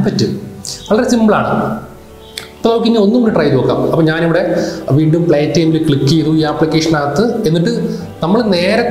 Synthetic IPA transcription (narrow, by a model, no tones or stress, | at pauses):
pɐtːɨʋɐɭɐɾesimbɐɭa̰ːɳɨ̰ | ipːoðokːinːio̞nːumunːiʈrɐjt̪oːkːa̰ːmɐpːoːɲaːniʋiɽe̞ʋiːɳɖumpɭeːtːɐjmilkɭikːijɐðuiːaːpːɭikʲːe̞ːʂɐnaːɐt̪ːɨe̞nːiʈːɨ | nɐmːɐɭne̞ːɾɐ